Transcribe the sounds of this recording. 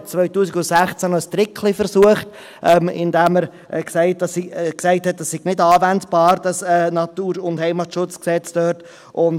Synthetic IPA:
t͡svœʏtuːsiɡʊntsæχt͡sænəst̪ɾɪkʰlifəɾsuəχt | ʔɛmɪ̰ndæməɾ | ʔɛksɛɪt̚dɑsiksɛɪthɛt̚dɛsːɪɡ̥nɪdɑːvɛntb̥ɑːɾd̥ɑsɛːnɑtuːɾʊnthɛɪmɑtʃʊt͡sksɛt͡sd̥œːt | ʔʊn

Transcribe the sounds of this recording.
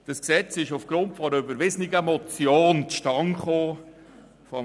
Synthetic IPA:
d̥ɑsksɛt͡sɪʃʊfɡ̥ɾʊntfɔɾəybəɾʋɪzənɪɡ̥əɛmɔt͡sjoːntʃtɑŋχoː | fɔ

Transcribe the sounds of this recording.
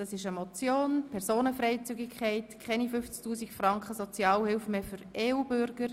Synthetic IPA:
d̥ɑsɪʃəmɔt͡sjoːnpʰɛɾsoːnəfrɛɪt͡syɡɪkʰχɛɪtkʰɛnifʏft͡sktʰuːsɪkfrɑŋkχəsɔt͡sjɑːlhɪlfmeːfʏɾeːuːbʏɾɡ̥əɾ

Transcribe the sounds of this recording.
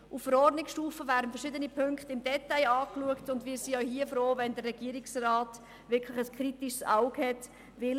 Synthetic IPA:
ʔuffəɾɔrdnɪksʃtuːfəvæːɾdən̩fəɾʃɪdənipʰʏŋkχtəɪmdɛtːaɪɑːkluəktʊndʋiːɾsiœɥhiəfɾoːvɛndərːɛɡiəɾɪksraːt | vɪɾkʰlɪχəskʰɾitiʃsaʊɡhɛt | vɪl

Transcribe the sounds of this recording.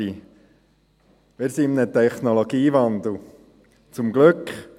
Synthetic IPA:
i | mɪɾsiɪmnət̪ʰɛχnoloɡiːvɑnd̪l̩ | t͡sʊmɡlʏkχ

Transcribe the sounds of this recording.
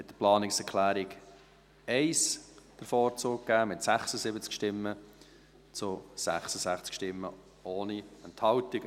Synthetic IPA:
mɪtdəplɑːnɪksɛɾkʰlæːɾɪɡ | ɛɪsd̥əɾfɔːɾt͡suːkkːæːmɪtsæχsəsɪbət͡skʃtɪmːə | t͡sʊsæ̰χsəsæχt͡skʃtɪmːə | oːniɛnthɑltɪɡə

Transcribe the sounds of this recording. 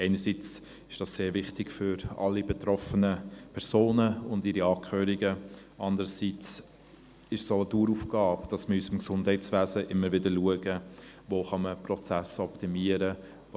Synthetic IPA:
ɛɪnəɾsit͡s | ɪʃd̥ɑsseːɾvɪχtɪɡ̥fʏɾɑ̰lːibɛtɾɔfənəpʰɛɾsoːnəʊndɪɾiɑːkʰχøːɾiɡə | ʔɑndəɾəsit͡s | ɪʃsoəduːɾufɡ̥ɑːbd̥ɑsməysəmksʊndhɛɪt͡sʋæːzəʔɪmːəɾvɪdəluəɡə | voːχɑməprɔt͡sæsɔptimiəɾə

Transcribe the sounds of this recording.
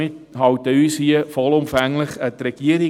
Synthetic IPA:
ɪthɑwtəyːshiəfɔlʊmfæŋlɪχətrɛɡ̥iəɾɪ

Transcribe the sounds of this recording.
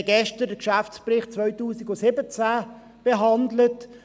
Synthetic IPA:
ɡɛʃtəɾdəkʃaft͡sprɪχt̚t͡sʋœʏtuːsiɡʊsɪbət͡sæː | b̥ɛɦɑndlət

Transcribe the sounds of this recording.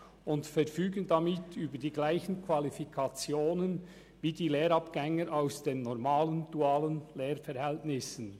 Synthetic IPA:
ʊntfɛɾfyːɡəndɑmɪtʰyːbədiːɡlaɪçən̩kʰvɑlifikʰɑt͡sjoːnən | viːdiːleːɾɑpɡ̥ɛŋəɾʔaʊsd̥eːnːɔʁmaːlənd̥uaːlənleːɾfɛɾhɛltnɪsən̩

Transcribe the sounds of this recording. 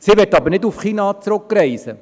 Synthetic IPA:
siʋɛtɑbəɾnɪdufχiːnɑt͡sɾʊkːɾɛɪsə

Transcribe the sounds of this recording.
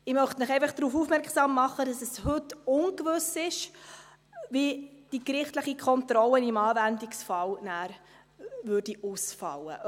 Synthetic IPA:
ɪmœχtnɪχɛɪfɑχd̥ɾuːfuːfmɛɾksɑːmːɑχːədɑsɛshɵtʊnkvɵsɪʃ | ʋid̥ikɾɪχtləχikʰχɔntɾɔlːənimɑːvændiksfɑlnæːɾ | vʉrd̥iʔusfɑ̰lːə̰

